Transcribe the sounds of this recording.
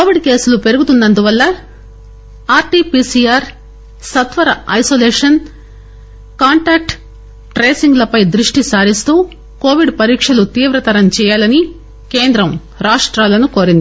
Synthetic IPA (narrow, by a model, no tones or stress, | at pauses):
koːʋiɖke̞ːsulupe̞ɾuɡut̪und̪ɐnd̪uʋɐlːɐ | aːɾʈiːpiːsijaːɾ | sɐt̪ʋɐɾɐɐjsoːleːʂɐn | kaːɳʈaːk̚ʈ | ʈɾeːsiŋɡlɐpɐjd̪ɾiʂʈisaːɾist̪uː | koːʋiɖpɐɾiːkʂɐlut̪iːʋɾɐt̪ɐɾɐmt͡ʃɛːjaːlɐni | keːnd̪ɾɐm | ɾaːʂʈɾaːlɐnuko̞ːɾind̪i